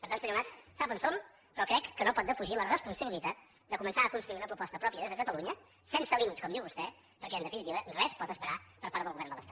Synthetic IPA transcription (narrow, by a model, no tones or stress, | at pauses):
pəɾt̪ansəɲomassapənsol | pɾɔkɾɛkːənopɔt̪d̪əfuʒilərəspunsəβilit̪at̪̚ | d̪əkumənsaəkunst̪ɾuiunəpɾupɔst̪əpɾɔpiəðezðəkət̪əluɲə | sɛnsəlimit̪skɔmd̪iwβust̪ɛ | pəɾkɛnd̪əfinit̪iβərɛspɔt̪əspəɾapəɾpaɾt̪ðəlˠɣuβɛɾnd̪ələst̪at̪